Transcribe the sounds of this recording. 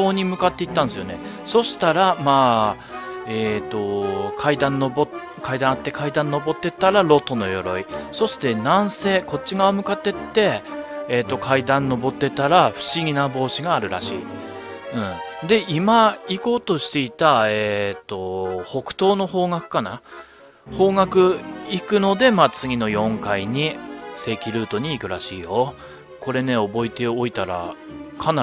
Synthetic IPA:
oːɲ̟imɯ̟kat̪ːe̞it̪ːãnesɨjone̞ | so̞ɕi̥t̪aɾamaː | eːt̪ːo̞kʰaid̪ãnːobo | kaid̪ãat̪ːe̞kʰaid̪ãnːo̞bo̞t̪ːe̞t̪aɾaɾo̞t̪ːo̞no̞̰jo̞̰ɾo̞̰iso̞ɕi̥t̪e̞nãɰ̃se̞ːko̞t͡ɕːiɡaomɯ̟kat̪ːe̞t̪ːe̞ː | t̪ːo̞kʰaid̪ãnːo̞bo̞t̪ːe̞t̪aɾaɸɯ̟̥ɕiɡʲinabo̞ːɕiɡaːɾɯ̟ɾa̰ɕḭː | ɯ̟̃ɴd̪e̞imaiko̞ːt̪o̞ɕi̥t̪e̞it̪aet̪ːo̞ho̞kɯ̟̥t̪o̞ːno̞ho̞ːŋɡakɯ̟̥kana̰ | ho̞ːŋakɯ̟ikɯ̟no̞d̪e̞maːt͡sɨɡʲino̞jõ̞ŋkaiɲ̟ise̞ːkʲiɾɯ̟ːt̪o̞ɲ̟iːkɯ̟ɾaɕiːjo̞ | ko̞ɾe̞ne̞o̞bo̞it̪e̞ooit̪aɾa̰kʰana

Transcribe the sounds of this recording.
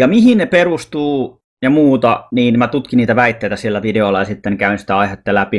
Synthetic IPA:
jɑmihinneperust̪uː | jɑmuːt̪ɑniːnmæt̪ut̪kiniːt̪æʋæit̪ːeit̪æsielːæʋideolːɑjɑsit̪ːenkæyinsi̥t̪æɑihet̪ːælæpi

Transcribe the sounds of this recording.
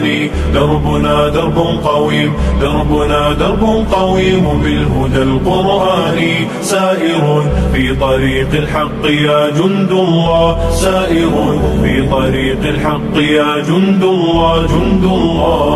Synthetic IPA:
niː | d̪ɑɾˤbʊnaːd̪ɑɾˤbʊqɑwiːmd̪ɑɾˤbʊnaːd̪ɑɾˤbʊqɑwiːmmɪnhʊd̪alqʊɾʔaːni | saːʔɪɾʊnfiːt̪ˤɑɾiːqlħɑqːɪjaːd͡ʒʊnd̪ʊlːaːsaːʔɪɾuːnfiːt̪ˤɑɾiːqɪlħɑqːɪjaːd͡ʒʊnd̪ʊ | aːd͡ʒʊnd̪ʊlːaː

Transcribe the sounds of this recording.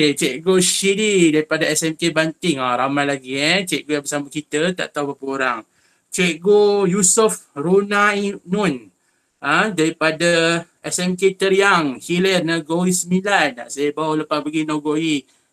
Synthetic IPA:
oket͡ʃɛʔɡoʃididaɾipadaɛsɛmkebant̪ɪŋaɾamalaɡiət͡ʃɛʔɡojabəsamakit̪ət̪a̰ʔt̪awbapəoɾaŋ | t͡ʃɛʔɡojusufrunanun | adaɾipadaʔɛsɛmket̪əɾijaŋhilərnaɡoisəmilana̰sajəbawaləpaspəɡinaɡoi

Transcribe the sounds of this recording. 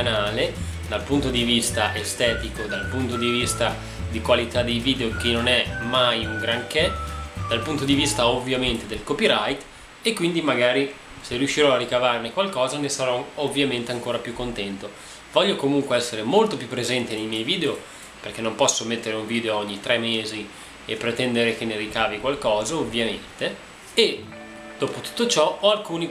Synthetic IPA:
naːled̪alpunt̪od̪ivist̪aʔest̪ɛːt̪ikod̪alpunt̪od̪ivist̪a | d̪ikwalit̪ad̪ejviːd̪eok̟inːonɛmajuŋɡɾaŋkɛd̪̥alpunt̪od̪ivist̪aovːjament̪ed̪elkopiɾajt̪ | ekːwind̪imaɡaːɾi | serijuʃːiɾɔarːikavarnekwalkɔːzanesaɾɔovːjament̪eaŋkoːɾapjukːont̪ɛnt̪o | vɔʎːokomuŋkweɛsːeɾemolt̪opjupːɾezɛnt̪enejmjɛjviːd̪eo | perk̟enːompɔsːomet̪ːeɾeuɱviːd̪eoɔɲːit̪ɾɛmːeːzi | epːɾet̪ɛnd̪eɾek̟eneɾikaːvikwalkɔːzaovːjament̪eː | d̪̥oːpot̪u̥t̪ːot͡ʃɔɔalkuːni

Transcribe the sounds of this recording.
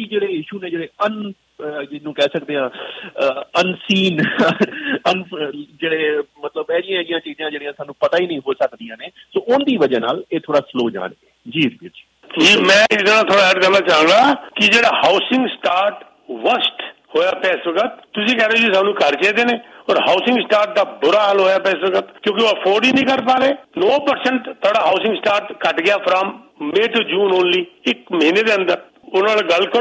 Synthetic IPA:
kid͡ʒeːɽeːjiːʃuːneːd͡ʒeːɽeːən | d͡ʒɪsnũːkɛːsəkd̪eːɦãː | ənsiːn | ənd͡ʒeːɽeːmət̪ləbɛːɾɪjãːɛɪjãːt͡ʃiːzãːd͡ʒeːɽijãːsaːnːũːpət̪aːiːnəĩːɦoːsəkd̪ijãːneːsoːʔʊnd̪iːʋəd͡ʒãːna̰ːleːt̪ʰoːɽaːsloːd͡ʒã̰ːneːd͡ʒiːɾbiɾd͡ʒi̥ː | ʈʰiːmɛ̃ːɪsd̪ənaːt̪ʰoːɽaːɛɾt̪ɛːnaːt͡ʃaːə̃ːŋɡaːkɪd͡ʒeːɽaːhaːʊsɪ̃ŋɡsʈaːɾʈ | ʋəsʈ | hoːjaːpɛːsʋəkət̪̚t̪ːʊsĩːkɛːɾeoːd͡ʒisaːnːũːkəɾt͡ʃeːd̪eːneːɔːɾɦaːʊsɪ̃ŋɡsʈaːɾʈ̚d̪aːbʊɾaːɦəlɦoːjaːpɛːsʋəkət̪kjõːk̬ɪoːəpʰoːɾɖiːnĩːkəɾpaːɾeːnɔːpəɾsəɳʈt̪ʰoːɽaːɦaːsɪ̃ŋɡsʈaːɾʈkəʈɡɪjaːpʰɾamːeːʈuːd͡ʒũːnoːnliːɪkməɦiːneːd̪eːə̃nd̪əɾ | ʊnãːlɡəlkə

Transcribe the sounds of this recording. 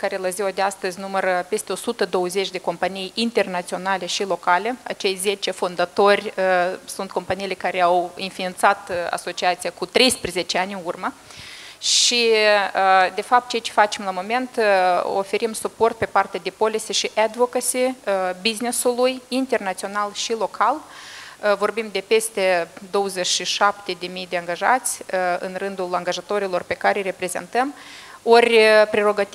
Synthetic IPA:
kaɾe̞laziwad̪east̪əzʲnumərpe̞st̪eo̞sut̪əd̪o̞wəzet͡ʃʲd̪e̞ko̞mpanijint̪e̞rnat̪sio̞nale̞ʃilo̞kale̞a̰t͡ʃe̞jze̞t͡ʃe̞fond̪at̪o̞rʲsunt̪̚ko̞mpanijilekaɾe̞awinfient̪sat̪a̰so̞t͡ʃiat̪sijakut̪ɾe̞jspɾeze̞t͡ʃeanʲɨnurmə | ʃiəd̪e̞fap̚t̪̚t͡ʃe̞jat͡ʃe̞fat͡ʃe̞mlamo̞me̞nt̪o̰fe̞ɾimsupo̞rt̪̚pe̞part̪ed̪epo̞lisʲeʃiʔad̪vokasibiznesulujint̪e̞rnat̪sio̞nalʃilo̞kʰal | vo̞rbimd̪e̞pe̞st̪e̞d̪o̞wəzet͡ʃʃiʃapt̪e̞d̪e̞mijd̪e̞aŋɡaʒat̪sʲɨ̰nrɨnd̪ulaŋɡaʒat̪o̞ɾilo̞rpe̞kaɾejre̞pɾe̞ze̞̰nt̪əmorʲpɾe̞ɾo̞ɡat̪

